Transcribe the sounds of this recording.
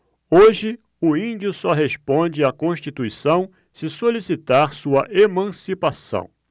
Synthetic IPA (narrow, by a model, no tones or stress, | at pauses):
oʒɪ | ʊĩd͡ʒiʊsɔɦespõd͡ʒɪakõʃt͡ʃit̪uisɐ̃w̃ | sɪsolisit̪aɾsuɐʔemɐ̃sipasɐ̰̃w̃